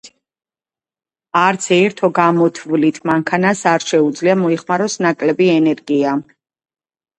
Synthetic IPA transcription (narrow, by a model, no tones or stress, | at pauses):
aɾt̪sʰɛːɾt̪ʰɔɡamɔt̪ʰvlit̪ʰmaŋkʰanasaɾʃɛud̪zliamɔiχmaɾɔsnakʼlɛbiɛnɛɾɡia